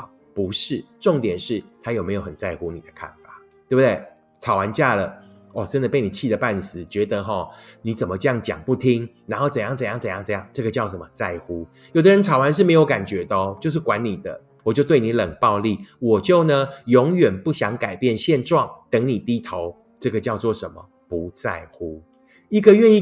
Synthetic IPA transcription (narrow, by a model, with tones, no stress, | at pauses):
pu˧˦ʂɻ̩˥˩ʈ͡ʂo˥˨˩ŋt̪jɛ˨˩nʂɻ̩˥˩t̪ʰa˥jo˨˩me˧˥ɪjo˧˩ʊə˨˩nt͡sa˥˩ɪxu˦nḭ˨˩d̪ə̥˦kʰa̰˥˩nfa˨˩ | t̪we˥˩bu˨d̪e˥˩ɪ | t͡sʰɑ˨˩ʊwa˧˦nt͡ɕja˥˩lə˩ | ɔ˨˩ʈ͡ʂə˥˦nd̪ə˨pe˥˩ɪni˨˩t͡ɕʰi˥˩d̪ə˨˩pa˥˧nsɹ̩˨˦t͡ɕɥɛ˧˥d̪ə˧ɦɔ˨ni˧˥t͡sə˨˩nmə˦ʈ͡ʂə˥˧jɑ˥˩ŋt͡ɕjɑ̰˨˩ŋpu˥˩t̪ʰi˦ŋna˧˥nxo˥˩ʊt͡sə˨˩ŋjɑ˥˩ŋt͡sə˨˩ŋjɑ˥˩ŋt͡sə˨˩jɑ˥˩ŋt͡sə˨˩˦jɑ˥˧ŋʈ͡ʂɤ˥˩ɡə˨t͡ɕjɑ˥˩ʊʂə˨˩mə˧˦t͡sa˥˩ɪxu˦ | jo˨˩ʊd̪ə˦ɻə˧˦nt͡sʰɑ˨˩ʊwa˧˦nʂɻ̩˥˩me˧˥ɪjo˧˥ʊka˨˩nt͡ɕɥɛ˧˥t̪ə˧t͡ɕjo˥˧ʊʂ̬ɻ̩˥˩kwa˧˦nni˨˩d̪ə˦ | wɔ˨˩t͡ɕjo˥˧ʊt̪we˥˩ni˧˥lə˨˩ŋpɑ˥˧ʊli˥˩wɔ˨˩t͡ɕjo˥˩ʊnə˩jɔ˧˦˥ŋɥɛ˨˩npu˥˩ɕjɑ˧˥ŋka˨˩ɪpjɛ˥˧nɕjɛ˥˧nʈ͡ʂwɑ˥˨˩ŋt̪ə˧˥ŋni˨˩t̪i˥t̪ʰo˧˦ʊ | ʈ͡ʂɤ˥˩ɡə˨˩t͡ɕjɑ˥˧ʊt͡swɔ˥˩ʂə˧˦nmə˨˦ | pu˨˦t͡sa˥˩ɪxu˦ | i˥˩ɡə˨ɥɛ˥˧ni˥˨